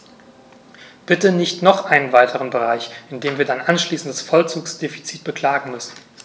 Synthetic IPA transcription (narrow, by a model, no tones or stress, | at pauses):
b̥ɪtənɪçtnɔχʔaɪnənvaɪtʰəʁ̞ənbəʁ̞aɪçʔɪndeːmviːɐdanʔanʃliːsn̩dasfɔlt͡suːksd̥eːfi̥t͡siːt̚b̥əkʰl̥aːɡŋ̩mʏsn̩